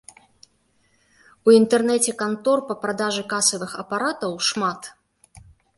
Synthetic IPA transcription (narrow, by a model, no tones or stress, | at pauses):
uint̪ɛrnɛt͡sʲɛkant̪ɔrpɐpɾad̪aʐɨkasɐvɨxɐpaɾat̪ɐwʂmat̪